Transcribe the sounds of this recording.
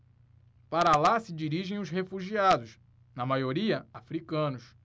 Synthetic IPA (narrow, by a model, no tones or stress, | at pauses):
paɾɐlasɪd͡ʒiɾiʒẽj̃ʊshefuʒiad̪ʊs | nɐmajoɾiɐafɾikɐ̃nʊs